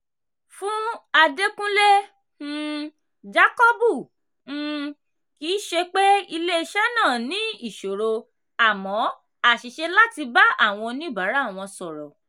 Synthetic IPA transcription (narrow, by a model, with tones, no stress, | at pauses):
fũ˦a˧de˦kũ˦le˦ | d͡ʒa˦kɔ˦bũ˦˨˦ | ki˨˦ʃe˧k͡pe˦i˧le˦i˧ʃɛ˦nã˦˨nĩ˨˦i˦˨ʃo˨ɾo˧ | a˨mɔ̃˨˦ | a˦˨ʃi˨ʃe˧la˦ti˧ba˦ʔa˦˨w̃ɔ̃˧nĩ˦˨ba˨˦ɾa˨˦˨w̃ɔ̃˧sɔ˨ɾɔ̰˨